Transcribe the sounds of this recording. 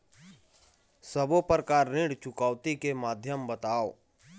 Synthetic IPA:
səbopəɾkaːɾːɪ̃ɽt͡ʃʊkaːʊt̪ikemaːd̪ʱjəmbət̪aːoː

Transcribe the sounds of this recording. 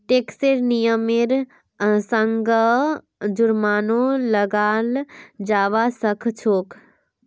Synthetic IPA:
ʈeːkseɾnijəmiɾ | səŋɡə | d͡ʒʊɾmaːnõləɡaːld͡ʒaːʋasəkʰt͡ʃʰoːk

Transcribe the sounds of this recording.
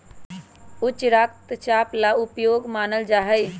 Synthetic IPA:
ʊt͡ʃɾaːk̚t̪t͡ʃaːplaʊpjoːɡmaːnəld͡ʒaːɦəj

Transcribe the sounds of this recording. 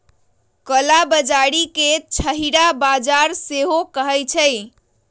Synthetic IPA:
kəlabəd͡ʒaɽiket͡ʃʰəɦiɾabad͡ʒaɾseɦokəɦəjt͡ʃʰəj

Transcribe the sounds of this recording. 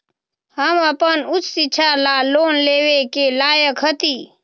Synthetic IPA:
həməpənʊt͡ʃsit͡ʃʰalaloːnleːwekelaːjəkɦət̪iː

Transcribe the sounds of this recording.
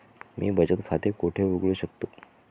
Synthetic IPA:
mʔḭːbəd͡ʑət̪kʰat̪ekoʈʰeʋuɡɭuɕəkt̪o

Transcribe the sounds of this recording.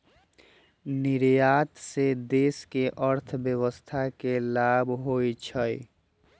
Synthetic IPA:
niɾjat̪sed̪eskeʔəɾt̪ʰbjəβəst̪ʰakelabʱɦojt͡ʃʰəj

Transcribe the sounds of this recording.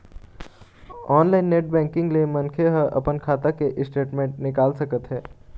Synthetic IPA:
ɔːnlaːɪnːeːʈ̚bɛ̃ːŋkɪ̃ŋɡlemɐ̃nkʰeɦəʔɐ̰pənkʰaːt̪akeʔɪsʈeːʈmẽːɳʈ̚nɪkaːlsɐkət̪ɦɛː

